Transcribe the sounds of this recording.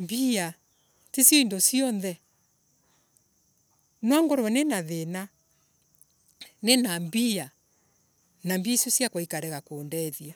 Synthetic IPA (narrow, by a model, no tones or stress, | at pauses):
mbia | tesjiindosiɔnðɛ | nwaŋɡɔɾɛnenaðena | nenambia | nambiisjosjakwaikaɾɛɣakoːndɛðia